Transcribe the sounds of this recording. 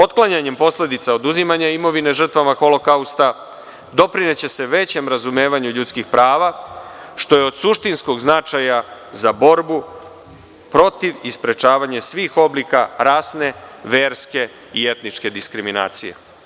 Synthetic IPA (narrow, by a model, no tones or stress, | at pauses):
o̞t̪klˠaɲaɲe̞mpo̞sle̞d̪it̪sao̞d̪uzimaɲaimo̞ʋine̞ʒr̩t̪ʋamaxo̞lo̞kaust̪a | d̪o̞pɾine̞t͡ɕe̞se̞ʋe̞t͡ɕe̞mɾazume̞ːʋaɲuʎut̪skixpɾʔaːʋa | ʃt̪o̞je̞o̞d̪suʃt̪insko̞ɡznat͡ʃaja | zabo̞ɾbu | pɾo̞t̪iʋispɾe̞t͡ʃaːʋaɲesʋiːxo̞blikaɾaːsne̞ʋe̞ːɾske̞ | ie̞t̪nit͡ʃke̞d̪iskɾimina̰ːt̪sije̞̰